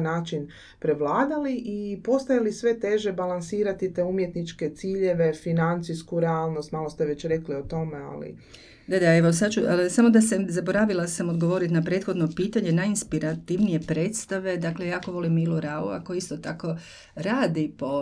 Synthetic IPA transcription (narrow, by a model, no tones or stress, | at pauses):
naːt͡ʃin | pɾe̞ʋlˠaːd̪aliʔipo̞st̪ajalisʋe̞t̪e̞ʒebalansiːɾat̪it̪eumjet̪nit͡ʃke̞t̪siːʎe̞ʋe̞finant̪siskuɾeaːlˠnost̪maːlˠo̞st̪eʋe̞t͡ɕɾe̞kliot̪o̞mea̰lḭ | d̪ad̪aeʋo̞sad̪t͡ʃulsamo̞d̪asezabo̞ɾaːʋilˠasamod̪ɡoʋo̞ːɾit̪napɾe̞ːt̪xo̞d̪no̞piːt̪aɲe̞najinspiɾat̪iʋnije̞pɾeːt̪st̪aʋe̞d̪aklejaːko̞ʋo̞limiluɾalṵa̰kojist̪o̞t̪ako̞ | ɾaːd̪ipo